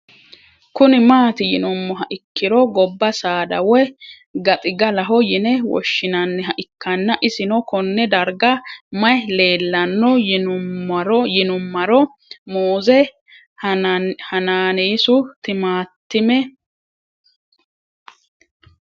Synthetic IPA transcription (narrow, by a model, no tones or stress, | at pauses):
kʊnɪmaːt̪ɪjɪnʊmːɔɦɐʔɪkːɪɾɔɡɔbːɐsaːd̪ɐwɛ | ɡɐt̪ʼɪɡɐlɐɦɔjɪnɛwɔ̰ʃːɪnɐnːɛɦɐʔɪkʰːɐnːɐʔɪsɪnɔkɔnːɛd̪ɐɾɡɐmɐjle̞ːlːɐnːɔjɪnʊɾɔjɪnʊmːɐɾɔ | moːzɛ | hɐnaːneːsʊt̪ɪmaːt̪ːɪmɛ